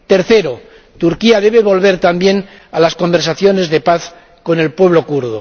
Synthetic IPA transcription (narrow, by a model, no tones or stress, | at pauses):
t̪e̞ɾθe̞ɾo | t̪uɾkiaðe̞βe̞βo̞lβe̞ɾt̪ambje̞n | alasko̞mbeɾsaθjo̞ne̞zðe̞paθ | ko̞ne̞lpwe̞β̞lo̞kuɾðo